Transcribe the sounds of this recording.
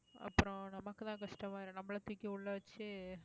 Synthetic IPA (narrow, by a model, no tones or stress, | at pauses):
ɐ̰pːɯɾõnɐmɐkːɯt̪ãːkɐʂʈɐmaːɪɾɯ̃nɐmːɐɭɐt̪ʊkʲːeʊɭːɐʋɐt͡ʃːɯ